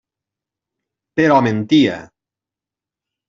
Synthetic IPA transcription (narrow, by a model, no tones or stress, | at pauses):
peɾɔmẽnt̪ia̰